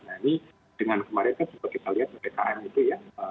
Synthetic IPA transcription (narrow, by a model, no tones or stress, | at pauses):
naini | d̥əŋankəmaɾɪnk̪ant͡ʃubat̪̚kit̪aliɦat̪̚əpekaʔɛnit̪ujaə